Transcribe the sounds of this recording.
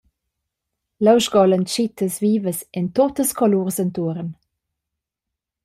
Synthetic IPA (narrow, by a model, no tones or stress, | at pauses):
ləwʃɡɔlənt͡ʃitʰəsviːvəsɛntotəskɔluːʁsəntuəɾən